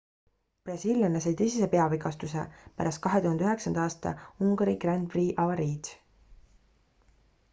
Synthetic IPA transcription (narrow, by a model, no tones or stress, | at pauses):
b̥rɑsiljɑnes̬ɑjt̪ejsise̞pe̞ɑviɡɑst̪usḛpæ̰ɾɑst̪̚kɑɦe̞t̪uhɑnd̪̥yɦeksɑnd̪̥ɑɑːst̪ɑ̰uŋɡɑɾiɡ̥rænd̪briːʔɑvɑɾiːd̪